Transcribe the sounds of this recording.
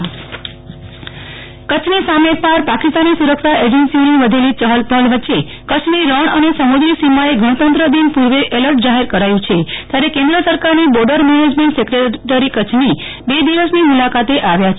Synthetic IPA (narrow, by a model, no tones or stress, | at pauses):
kət͡ʃʰnesamepaɾpakist̪anːisuɾəkʃaʔed͡ʒensioniʋəd̪ʱelit͡ʃəɦəlt̪əlʋətːʃe | kət͡ʃʰniɾəɳənesəmud̪ɾisimaeɡʱəɳ̃ət̪ənt̪ɾəd̪inpuɾʋeʔeləɾʈ̚d͡ʒaɦeɾkəɾajũt͡ʃʰet̪jaɾekẽnd̪ɾəsəɾkaɾnibɔɾɖəɾmened͡ʒmẽɳʈsekɾeʈəɾikət͡ʃʰni | bed̪iʋəsnimulakat̪eʔaʋjat͡ʃʰ